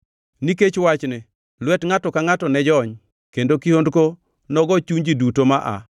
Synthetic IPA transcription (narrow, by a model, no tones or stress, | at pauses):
niket͡ʃwat͡ʃnɪ | lwɛtŋatɔkaŋatɔnɛd͡ʒɔɲ | kendokihondko | nɔɡɔt͡ʃuɲd͡ʒidutomaʔa̰